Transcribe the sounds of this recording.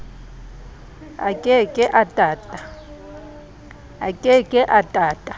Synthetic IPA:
a̰kʼɪkʼɪʔatʼaːtʼa | a̰kʼɪkʼɪʔatʼaːtʼa

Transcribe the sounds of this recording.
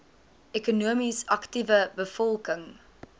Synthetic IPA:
ʔɛkunuəmisɐktivəbəfɔlˠkəŋ

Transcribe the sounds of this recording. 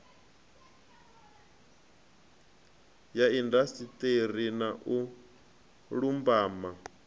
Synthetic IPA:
jaindasit̪ʼerinaʔu | ɺumbaːma

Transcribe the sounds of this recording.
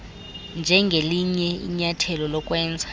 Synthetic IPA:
nd͡ʒʱɛŋɡʱeliɲɛḭɲatʰɛlɔlɔkʼwɛːnd͡zʱa

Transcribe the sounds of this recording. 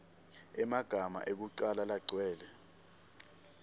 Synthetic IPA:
ɛmaɡ̥ʱama̰ʔek̬uǀalalaɡ͡ǀʱwɛːlɛ

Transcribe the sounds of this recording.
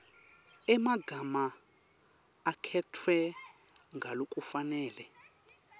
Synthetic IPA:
ɛmaɡʱama | kʰɛtʰwɛ | ŋɡʱalokʼufanɛːlɛ

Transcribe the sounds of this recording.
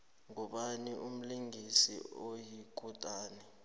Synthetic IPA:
ŋɔɓaniʔum̩liŋisḭojik̬ʼutʼaːnɛ

